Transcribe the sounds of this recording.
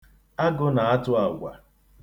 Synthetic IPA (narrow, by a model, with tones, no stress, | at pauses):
a˦ɡʊ˦na˨a˦tʊ˦a˨ɡʷa̰˨